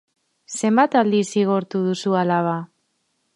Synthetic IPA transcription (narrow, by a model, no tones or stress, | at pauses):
se̞mbat̪ald̪isiɣoɾt̪uðusualaβa